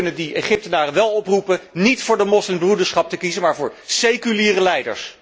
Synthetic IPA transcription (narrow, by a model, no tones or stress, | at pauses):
nədieχɪp̚tənaːrəʋɛlˠɔprupənitfʊːɹdəmɔslɪmbrudəɹsχɑp̚təkizəmaːɹvʊːɹsejkyliːrəlɛjdə̰ɹs